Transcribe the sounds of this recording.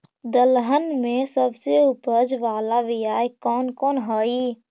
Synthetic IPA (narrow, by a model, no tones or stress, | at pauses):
d̪əlɦənmẽsəbseʊpəd͡ʒʋaːlaʋijaːjkɔːnkɔːnɦoːiː